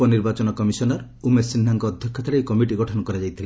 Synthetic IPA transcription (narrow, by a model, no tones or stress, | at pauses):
ɔniɾbat͡ʃɔnɔkɔmisɔnɔɾ | umesinːaŋkɔːd̪ʱjɔkʰːɔt̪ʰaɾejkɔmiʈiɡɔʈʰɔnɔkɔɾad͡ʒajt̪ʰile